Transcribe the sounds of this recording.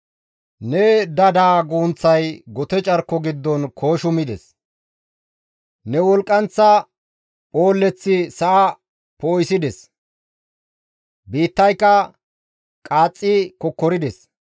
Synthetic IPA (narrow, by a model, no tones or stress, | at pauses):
nɛd̪ɐd̪aːɡuːnt͡sːɐjɡɔt̪ɛt͡ʃʼɐɾkːɔɡɪd̪ːɔnkʰoːʃʊmɪd̪ɛs | nɛwɔlkʼːɐnt͡sːɐ | pʼo̞ːlːɛt͡sːɪsɐʔɐ | poːjsɪd̪ɛs | biːt̪ːɐjkːɐ | kʼaːt͡sʼːɪkɔkːɔɾɪd̪ɛs